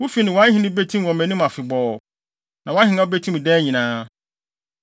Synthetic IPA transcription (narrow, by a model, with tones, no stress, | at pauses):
wʊ˦fi˨nɪ̃˨wã˦hĩ˨nɪ̃˦be˦tʰĩ˦mwɔ̃˨mæ̃˨nĩ˦ma˨fɪ˨bɔː˨ | nã˨wã˦hɪ˨nã˦o˦be˦tʰĩ˦m˨dɛː˦ɲĩ˨nãː˦